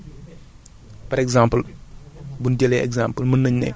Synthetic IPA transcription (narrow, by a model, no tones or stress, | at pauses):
pɐɾɛɡzaːmpəl | bunɟɛlɛɛ̰ɡzaːmpəlmənːəɲnɛ̰